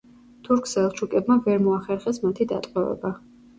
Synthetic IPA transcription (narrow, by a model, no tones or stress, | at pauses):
t̪ʰuɾkʰsɛlˠt͡ʃʰukʼɛbmavɛɾmɔaχɛɾχɛsmat̪ʰid̪a̰t̪ʼqʼɛvɛ̰ba